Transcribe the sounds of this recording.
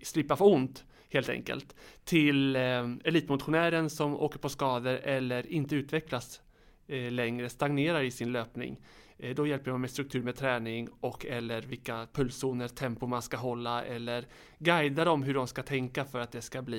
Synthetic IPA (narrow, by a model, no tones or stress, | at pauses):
slɪpːafɔʊnt̪ | heːlt̪ɛ̰ŋkə̰lt̪ʰːɪlɛliːt̪mʊt̪ɧʊnæːɾənsɔmo̰ːkəɾpʰɔskɑːd̪əɾɛlːəɾɪnt̪əʉ̟ːt̪vɛklas | lɛŋɾəst̪aŋneːɾaɾɪsɪnløːpnɪ̰ŋ | d̪ɔjɛlpəɖɔmmɛst̪ɾɵkt̪ʰʉ̟ːɾmɛd̚t̪ʰɾɛːnɪŋɔkːɛlːəɾvɪlkapʰɵlːsuːnəɾt̪ʰɛmpʊɾmanskaɦɔlːaɛ̰lːəɾ | ɡajd̪ad̪ɔmɦɵɖɔmskat̪ʰɛŋkafœɾat̪̚d̪ɛskabliː